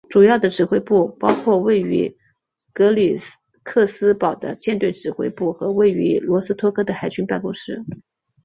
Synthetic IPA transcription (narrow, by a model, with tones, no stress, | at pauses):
ʈ͡ʂu˨˩jɑ˥˩ʊd̪ə˩ʈ͡ʂɻ̩˨˩xwe˥ɪpu˥˩pɑ˥ʊkʰwɔ˥˧we˥˩ɪy̰˧˥ | kɤ˧˥li˨˩ | kʰɤ˥˩sɹ̩˥pɑ˨˩ʊd̪ə̰˦t͡ɕjɛ˥˧nt̪we˥˩ɪʈ͡ʂɻ̩˨˩xwḛ˥ɪpu˥˩xɤ˧˥we˥˩ɪy˧˥lwɔ˧˥sɹ̩˥t̪ʰwɔ˥kʰɤ˥d̪ə˨xa˨˩ɪt͡ɕy˥npa˥˧nkɔ˥ŋʂɻ̩˥˩